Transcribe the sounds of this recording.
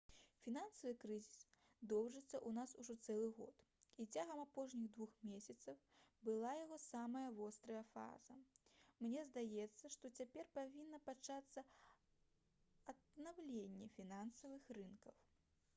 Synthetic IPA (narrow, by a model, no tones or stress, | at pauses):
fʲinansɐvɨkɾɨzʲis | d̪ɔwʐɨt̪sːɐʔunasuʐɔt̪sɛlˠɨɣɔ̰t̪ | it͡sʲaɣɐmapɔʂnʲiɣd̪vuxmʲesʲɐt̪sɐwbɨlˠajaɣɔsamɐjɐvɔst̪ɾɐjɐfa̰zɐmnʲɛzd̪ajɛt̪sːɐʂt̪ɔt͡sʲapʲɛrpavʲinːɐpat͡ʂat̪sːɐ | ɐd̪nawlʲenʲːɛfʲinansɐvɨxrɨnkɐw